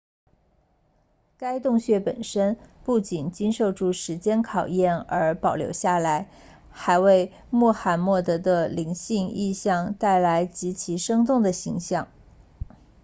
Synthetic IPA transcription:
ka˥ɪt̪ʊ˥˧ŋɕɥɛ˥˩pə˨˩nʂə˥npu˥˩t͡ɕi˨˩nt͡ɕi˥nʂo˥˧ʊʈ͡ʂʰu˥˩ʂɻ̩˧˥t͡ɕjɛ˥nkʰɑ˨˩ʊjɛ˥˩nə˞˧˥pɑ˨˩ʊljo̰˧˥ʊɕja˥˩la˧˥ɪ | xa˧˥ɪwe˥˧ɪ | mwɔ˥˩xa˨˩nmwɔ˥˩t̪ɤ˧˥d̪ə˧li˧˥ŋɕi˥˧ŋi˥˧ɕjɑ˥˧ŋt̪a˥˩ɪla˧˥ɪt͡ɕi˧˥t͡ɕʰi˧˥ʂɤ˥ŋt̪ʊ˥˩ŋd̪ə˩ɕi˧˥ŋɕjɑ˥˩ŋ

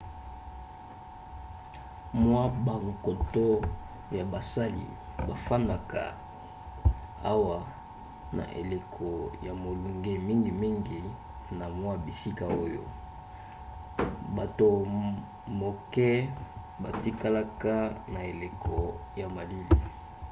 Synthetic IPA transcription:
mwa˦ba˨ŋko˨to˦ | ja˨ba˨sa˦lḭ˨ | ba˨fa˦na˨ka̰˨ | a˦wa˦ | na̰˨ʔḛ˨le˨kʰɔ˨ja˨mo˨lu˨ŋɡe˦mi˦ŋɡi˨mi˦ŋɡi˨ | na˨mwa˦bi˨si˦ka˨o˦jo̰˦ | ba˨to˨ | mo˨kɛ˦ | ba˨ti˦ka˦la˦ka˦na˨e˨le˨kʰɔ˨ja˨ma˨li˦li˨

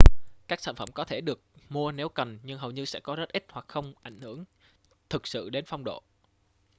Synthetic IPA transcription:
kaː˦˥k̚sa̰ː˧˨nfə˧˩mkɔ˨˦t̪ʰe˧˩ɗɨ˨˩ək̚mu˧əne˨˦wkə˨˩nɲɨ˧ŋɦə˨˩wɲɨ˧sɛ̰˧˥kɔ˨˦zə˦˥t̚ʔi˦˥t̚hwa˨˩k̚xə˧wŋ͡mʔa˧˩jŋ̟hɨ˧˩əŋ | t̪ʰɨ˨˩k̚sɨ̰˧˨ɗe˨˦nfa˧wŋ͡mɗo̰˧˨

